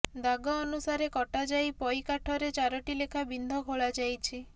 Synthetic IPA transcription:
d̪aɡɔːnusaɾekɔʈad͡ʒajpɔjkaʈʰɔɾet͡ʃaɾɔʈilekʰabind̪ʱɔkoɭad͡ʒajt͡ʃʰi

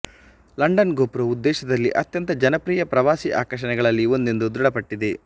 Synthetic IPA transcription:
lɐɳɖɐnɡoːpɾɐud̪ːɛːʃɐd̪ɐlːiʔɐt̪jɐnt̪ɐd͡ʒɐnɐpɾiːjɐpɾɐʋaːsiʔa̰ːkɾɐʂ̬ɐnɛɡɐɭɐlːiond̪end̪ud̪ɾuɽɐpɐʈːid̪e

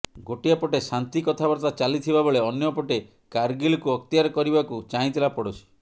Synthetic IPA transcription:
ɡoʈijapɔʈesant̪ikɔt̪ʰabɔɾt̪at͡ʃalit̪ʰibabɔɭeɔnjɔpɔʈe | kaɾɡilɔkuɔk̚t̪ijaɾɔkɔɾibakut͡ʃaĩt̪ʰilapɔɽut͡ʃʰi̥

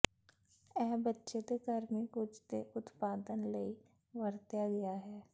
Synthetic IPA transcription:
ɛːbətːʃet̪ekəɾmekʊd͡ʒt̪eʊt̪paːd̪ənləi | ʋəɾt̪jaɡɐjaɦɛː

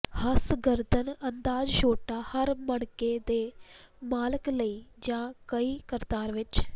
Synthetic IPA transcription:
hɐsɡəɾd̪ənɐnd̪aːd͡ʒʃoːʈaːhɐɾmɐɽked̪eː | maːləkləiːd͡ʒãːkɐiːkəɾt̪aːɾʋɪt͡ʃ

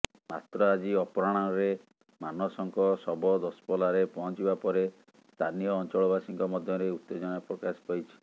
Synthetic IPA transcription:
mat̪ɾɔad͡ʒiɔpɔɾɔɽ̃anɔɾe | manɔsɔŋkɔsɔbɔd̪ɔspɔlaɾepɔɦɔnt͡ʃibapɔɾe | st̪anijɔːnt͡ʃɔɭɔbasiŋkɔmɔd̪ʱjɔɾeut̪ːed͡ʒɔnapɾɔkaspajt͡ʃʰi̥

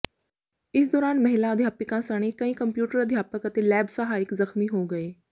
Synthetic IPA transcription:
ɪsd̪ɔːɾaːnmɐɦɪlaəd̪ʱjaːpɪkãsəɽ̃ekɐĩːkəmpjuːʈəɾəd̪ʱjaːpəkət̪elɛːbsəɦaːɪkzəxmiɦoːɡəeː

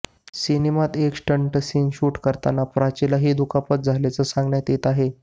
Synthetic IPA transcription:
sinemat̪eksʈəɳʈəsiːnɕuʈkəɾt̪anapɾat͡ɕilaɦid̪ukapət̪̚d͡zʱaljat͡səsãŋɡɳjat̪et̪aɦe

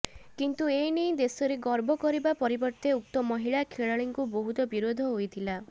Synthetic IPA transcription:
kint̪uenijd̪esɔɾeɡɔɾbʱɔkɔɾibapɔɾibɔɾt̪euk̚t̪ɔmɔɦiɭakʰeɭaɭiŋkuboɦut̪ɔbiɾod̪ʱɔɦojt̪ʰila

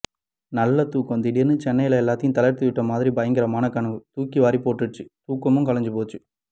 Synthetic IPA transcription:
nɐlːɐt̪uːkːɐnd̪ɪɽɪjɐnːɯt͡ʃɛnːɐjɪlɐɛlːaːt̪ːɪjʊ̃t̪ɐlɐɾt̪ɯʋɪʈːɐmaːðɪɾibɐjɐŋɡɪɾɐmaːnɐkɐɳɯʋɯt̪uːkːiʋaːɾipoːʈːɯʈːɯt̪uːkːɐmɯ̃ŋkɐlɐɲd͡ʒɯpoːt͡ʃːɯ

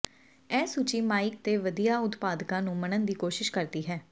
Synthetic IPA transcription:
ɛːsut͡ʃiːmaːɪk̚t̪eːʋəd̪ijaːʊt̪paːd̪kãːnũːmənənd̪iːkoːʃɪʃkəɾd̪iːɦɛː

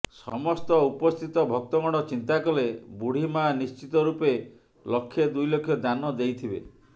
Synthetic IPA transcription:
sɔ̰mɔst̪ɔupɔst̪ʰit̪ɔbʱɔk̚t̪ɔŋɔɽ̃ɔt͡ʃint̪akɔlebuɽ̤imanist͡ʃit̪ɔɾupe | lɔkʰːjed̪ujlokʰːjɔd̪anɔd̪ejt̪ʰibḛ

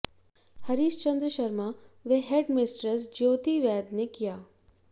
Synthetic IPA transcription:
hɐɾiːʃt͡ʃɐ̃nd̪ɾəʃɐɾmaʋeɦeɖmɪsʈɾəs̬d͡ʒoːt̪iʋɛːd̪nekijaː

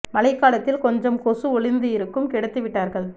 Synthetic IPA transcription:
mɐlɐɪkːaːlɐt̪ːɪlkɔɲd͡ʒɐmkɔsɯɔɭɪnd̪ɯjɪɾɯkːɯmkɪɽɐt̪ːɯʋɪʈːaːɾɣɐɭ

